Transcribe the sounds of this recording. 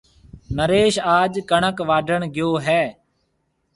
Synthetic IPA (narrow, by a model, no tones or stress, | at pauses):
nəɾeːʃaːʄkəɳəkʋaːɖʱəɳɡɪjoːɦɛː